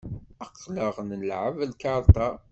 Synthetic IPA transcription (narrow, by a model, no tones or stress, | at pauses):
əqːləʁnəlʕəvlkɑɾˤt̪ɑ